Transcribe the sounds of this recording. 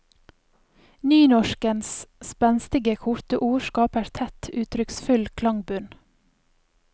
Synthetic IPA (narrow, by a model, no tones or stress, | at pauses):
nyːnɔʃkənsspɛnst̪ɪɡəkʰʊɾt̪əʔuːʃkɑːpæːɾt̪ʰɛt̪ʰʉːt̪ʰɾʏksfʉlkʰlɑŋbʉn